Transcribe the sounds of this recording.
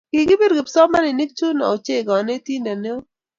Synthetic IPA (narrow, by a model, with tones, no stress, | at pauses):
kɪ˨ɡɪ˦be˦dɡe˨psɔ˦ma˦nɪ˨ni˦k̚t͡ʃu˦na̰˨o˨t͡ʃe˦˨ɡɔ˨ne˦tji˦na˨ne˦o˦